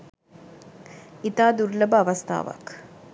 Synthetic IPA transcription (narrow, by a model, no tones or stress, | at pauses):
it̪aːd̪uɾləbəaʋɐst̪a̰ːʋa̰k